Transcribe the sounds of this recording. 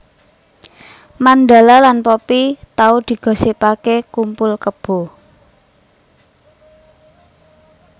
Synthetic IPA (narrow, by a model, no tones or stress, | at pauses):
mand̪a̤lalanpopit̪aud̪̥i̤ɡ̥ɔ̤sipakekumpʊlkəb̥o̤